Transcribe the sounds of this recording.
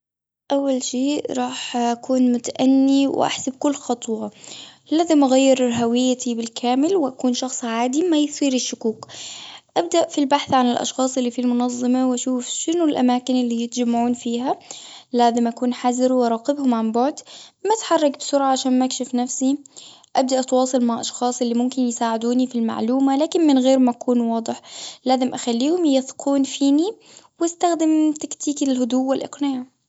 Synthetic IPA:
ʔawːalʃeːʔɾˤɑːħʔakuːnmʊt̪aʔanːiwʔa̰ħsab̚kʊlːxɑt̪ˤwɑ | laːzɪmʔaɣajːɪɾɦawɪjːat̪ʰibɪlkʰaːmɪlwɪʔakuːnʃɑxsˤʕaːd̪imajθˤiːɾɪʃːʊkuːqʔab̚d̪aʔfilbaħθʕanɪlʔɑ̰ʃxɑːsˤɪlːiːfilmʊnɑðˤːɑmɑwʔaʃuːfʃɪnʊlʔamaːkɪnɪlːiːjɪt̪d͡ʒamːaʕuːnfiːhalaːzɪmʔakuːnħazɾwʔɑɾˤɑːqɪbhʊmʕambʊʕd̪mat̪ħɑrˤːɑkbɪsʊɾʕaʕaʃaːnmʔakʃɪfnafsi | ʔab̚d̪aʔt̪wɑːsˤɨlmaʕʔɑʃxɑːsˤʔɪlːimʊmkɪnjsaːʕɪd̪uːnifilma̰ʕluːmalaːkɪnmɪnɣeːɾmaʔakuːnwɑːd̪ˤɨħlaːzɪmʔaxalːiːhʊmjɪθqʰuːnfiːni | wast̪axd̪ɪmt̪akt̪iːkɪlhʊd̪uwːɪlʔɑ̰qnɪaʕ

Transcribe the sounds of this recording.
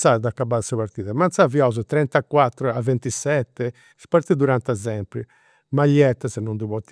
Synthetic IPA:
saɾd̪akːabaðsaβaɾt̪iːðamant̪saviɔz̬ɛt̪ɾɛnt̪akːwat̪ːɾɔavːent̪isɛt̪ːɛ | spaɾt̪id̪uɾant̪azɛmpɾi | maʎːɛt̪ːasɛnːund̪uβɔt̪ː

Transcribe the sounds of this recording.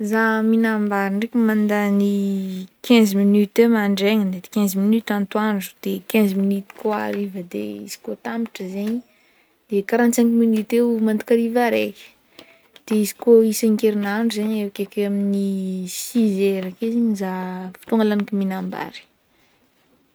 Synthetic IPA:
zaminambaɾiɳɖ͡ʐekimand̪anikʰɛ̃ziminyt̪emaɳɖ͡ʐeɲəd̪et̪i̥kʲɛ̃zminyt̪ant̪waɳɖ͡ʐu̥d̪̥ekɛ̃nziminyt̪i̥koa̰ɾivəd̪ḛḭzi̥kot̪ampi̥ʈ͡ʂəzeɲi | d̪̥ekaɾant͡saŋkiminyt̪eumand̪ukaɾivaɾekʲə̥ | d̪̥eizi̥koisaŋkeɾinaɖ͡ʐuzeɲewakʲekeaminisizeɾakizeɲzafi̥t̪uŋalanakiminamba̰ɾi̥

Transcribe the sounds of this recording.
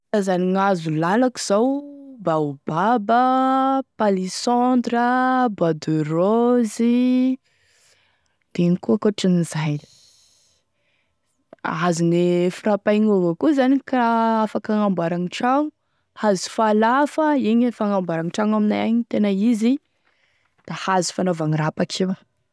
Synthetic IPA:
azaniŋazulalaki̥z̥awbaubabəpalisɔ̃nd̪ɾəbad̪uɾozi | d̪̥enikuakoʈ͡ʂinizajli̥ | azinefiɾapajɲuvakuzanikaafakaŋambaɾaŋiʈ͡ʂaŋu | hazi̥falafəiɲifaŋambaɾaŋiʈ͡ʂaŋaminajaɲit̪enaizi | d̪̥ahazi̥fanovaŋirapakʰewa

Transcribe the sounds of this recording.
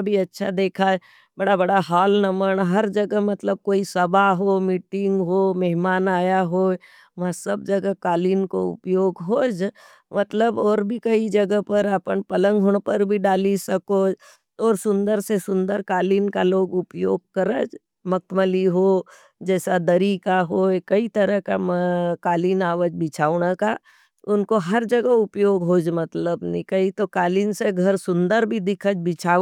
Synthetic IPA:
bʱiɐtːʃʰad̪eːkʰaɛ | bɐɽabɐɽaɦaːlnəməɳɦɐɾd͡ʒɐɡəmɐt̪ləb̚koːisɐbʱaɦomiːʈɪ̃ŋɡɦoːmɐɦmaːnaːjaɦoː | ʋɐɦsɐb̚d͡ʒɐɡəkaːliːnkoʊ̰pjoːɡɦoːd͡ʒ | mɐt̪ləbɔːɾbʱikɐid͡ʒɐɡəɦpɐɾɐpənpɐlə̃ŋɡɦʊɽ̃pəɾbʱiɖaːlisɐkoːd͡ʒ | ɔːɾsʊ̃nd̪əɾsesʊ̃nd̪əɾkaːliːnkaloːɡʊpjoːɡ̚kɐɾəd͡ʒ | mɐk̚ʰməliɦo | d͡ʒɛːsad̪ɐɾikaɦokɐit̪ɐɾəkamkaːliːnaːʋəd͡ʒbɪt͡ʃʰaːʋɽaka | ʊnkoɦɐɾd͡ʒɐɡəʊpjoːɡɦoːd͡ʒmɐt̪ləbnɪkəit̪okaːliːnseɡʱɐɾsʊ̃nd̪əɾbʱid̪ɪkʰəd͡ʒbɪt͡ʃʰaː

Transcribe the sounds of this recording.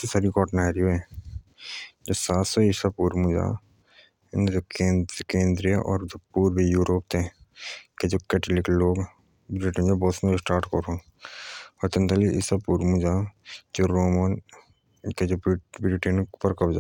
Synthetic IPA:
sisaɾikɔːʈnaːɾijoɦɛ̃ː | d͡ʒoːsaːt̪sɔɪsapuːɾmũd͡ʒa̰ː | nd͡ʒokekẽːnd̪ɾijəʔɔ̰ːɾd͡ʒopuːɾbʱijuːɾoːp̚t̪ʰẽ | ked͡ʒoːkɛːʈlɪkloːɡ | bɾɪʈə̃nd͡ʒobɔːsnsʈaːɾʈkoɾõː | ɔːɾt̪ɐnt̪aliɪsapuːɾmũd͡ʒaːd͡ʒoːɾoːmən | ked͡ʒoːbɾɪʈenkpɐɾkɐbd͡ʒa̰ː

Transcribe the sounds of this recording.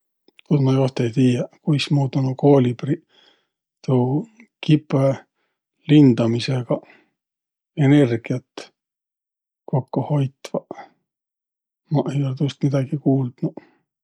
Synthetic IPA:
kut̪mɑjo̞st̪ejt̪iːjɑkujsmuːd̪onoko̞ːlʲibri | t̪u | kipe | lind̪̥ɑmiseɡ̥ɑ | ene̞rɡ̥iɑt̪ː | ko̞kːuho̞jt̪vɑ | mɑʔe̞jolet̪ust̪mid̪̥ɑɡ̥ikuːld̪̥nu

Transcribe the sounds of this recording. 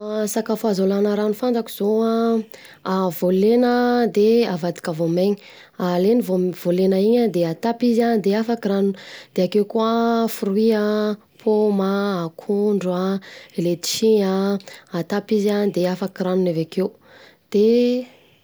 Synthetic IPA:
asakafazolanəɾanufand͡zaki̥z̥oa | avolenəd̪eavad̪i̥kəvomeɲi̥ | alenivov̥olenəiɲad̪eat̪apiziand̪eafakiɾanund̪̥eakewkuəfuɾwia | pʰomaːkʰuɳɖ͡ʐuaeled̪i̥ʃiɲaat̪apizand̪eafakiɾanunavakew | d̪̥e

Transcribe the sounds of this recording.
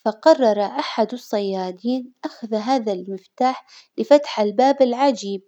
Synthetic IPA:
fɑqɑrˤːɑɾˤɑʔaħad̪ɑsˤːɑjːɑːd̪iːnʔaxaðaɦaːðalmɪft̪aːħ | lɪfat̪ħalbaːbɪlʕad͡ʒiːb̚

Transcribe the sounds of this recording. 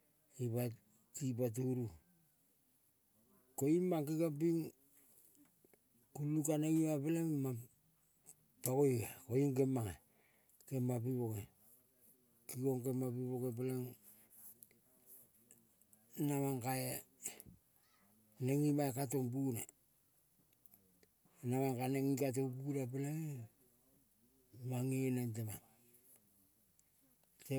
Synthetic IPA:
iβa | tipat̬uɾu | koimaŋkikapiŋ | kulukaneŋimapaleŋma | pakojkakojuŋkemaŋe | kemapiβoke | kikoŋkemapiβokepeleŋ | namaŋkae | neŋimaekatoŋbuna | namaŋkaneŋikat̬oŋbunapalaŋe | maŋinantemaŋ | te

